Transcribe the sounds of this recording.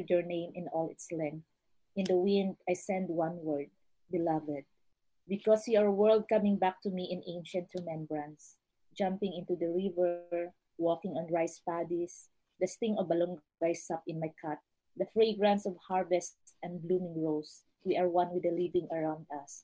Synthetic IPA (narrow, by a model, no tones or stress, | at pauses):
dɛɹnẽɪ̃mɪ̃nɔlɪ̰t̪slɛ̃ŋk̚θ | ʔɪ̃nd̪əwɪ̃nd̪ajsɛ̃nd̪̚wʌ̃nwɜɹd̪̚ | bɪlʌvɛd̪̚ | bɪkɔsiaɹwɜ˞ld̪̚kʌmɪ̃ŋbak̚t̪umiʔɪ̃nẽɪ̃nʃɐ̃nt̪ɹɛmɛ̃mbɹãns | d͡ʒʌ̃mpɪ̃ŋɪ̃nt̪ud̪əɹɪvəɹ | wɔkɪ̃ŋɔ̃nɹaɪspad̪is | d̪ɐst̪ɪ̃ŋɔvalɔ̃ŋɡ | ajsʌpɪ̃nmajkʰat̪̚ | d̪ɐfɹeɪɡɹãntsɔvhaɹvɛst̪sɛ̃nblumɪ̃ŋɹoʊs | wiʔaɹwʌ̃nwɪd̪əlivɪ̃ŋɐɹãʊ̃nd̪ɐs